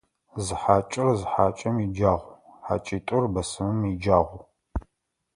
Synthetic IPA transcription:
zɨħaːt͡ʃʼɪrzɨħaːt͡ʃʼɐmid͡ʒaːʁʷħa̰ːt͡ʃʼiːtʼʊrbɐsɨmɨmid͡ʒaːʁʷ

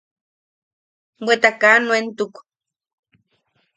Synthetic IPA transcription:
wwet̪akanwent̪uk

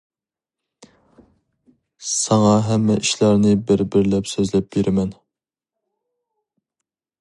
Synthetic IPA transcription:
sɑŋɑɦɛmːɛʔiʃlæɾnɪbɪɾbɪɾlɛpsøzlɛp̚beɾʔɪmɛn

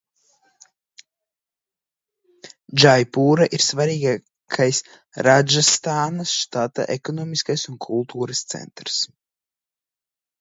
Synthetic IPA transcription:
d͡ʒajpuːɾaʔiɾsvaɾiːɡa | kkʰajs | ɾad͡ʒast̪aːnasʃt̪at̪a̰ʔɛkɔnɔːmiskajsunkʰulˠt̪uːɾɐst̪sɛ̰nt̪ɾs

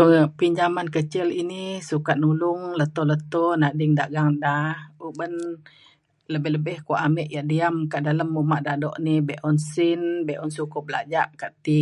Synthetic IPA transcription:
əŋpiɲd͡ʒamankət͡ʃɪlinisukat̪̚nulʊŋlət̪ɔlət̪ɔnaʔdɪŋdaʔɡaŋdahubən | ləbɛhləbɛhkaʔamɛʔjaʔdiamkaʔdaləmːumaʔdaʔdɔ̰ʔnibɛʔɔnsɪnbɛʔɔnsukʊp̚bəla̰d͡ʒaʔkaʔt̪i

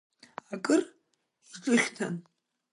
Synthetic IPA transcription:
akʼɨr | ʈ͡ʂʼɨχʲtʰa̰n

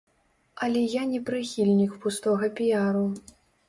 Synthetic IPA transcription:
ɐlʲɛjanʲɛpɾɨxʲilʲnʲikpust̪ɔɣɐpʲijaɾu

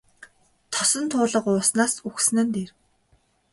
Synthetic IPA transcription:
t̪ʰɔsɞ̆nt̪ʰʊːɮə̆qʊːsnaːsuxsnə̆nt̪eːr

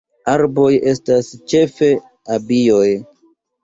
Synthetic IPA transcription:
aɾbo̞je̞stast͡ʃe̞fe̞ | abijoj

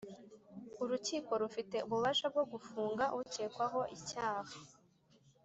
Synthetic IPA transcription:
uɾuciːko̞ɾufite̞ʔuβuβaʃab̚ɡo̞ɡufuːŋɡaʔʔuce̞ːkwaɦo̞ʔicaːhḁ

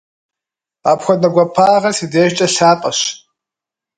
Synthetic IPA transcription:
aːpxʷɔnɐɡʷɔpʰaːʁɐrsideːʃt͡ʃʼɐɬaːpʼɐɕ

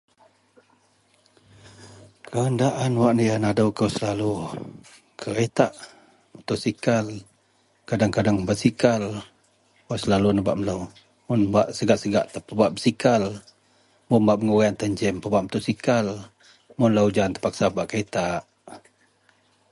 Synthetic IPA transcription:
kʰəəndaʔanwaʔnəjanadəwkəwsəlalu | kʰəɾet̪aʔ | mət̪ʊʔsikal | kadaŋkadaŋbaʔsikal | wasəlalunəba̰ʔmələw | mʊnbaʔsəɡaʔsəɡaʔt̪əpəbaʔbəsikal | mʊnbaʔməŋuɣaant̪əɲd͡ʒɛmpəbaʔmət̪ʊʔsikal | mʊnləwd͡ʒant̪ə̥paksabaʔkəet̪aʔ

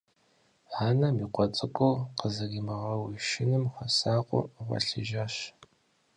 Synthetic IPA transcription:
ʕaːnɐmiːqʷʼɔt͡sʼɨkʷʼowqəzɐɣimɐʁɐwiʃɪnɨmxɐsaːqʷʼʊ̰ʁʷɐ̰ɬɨʒaɕ

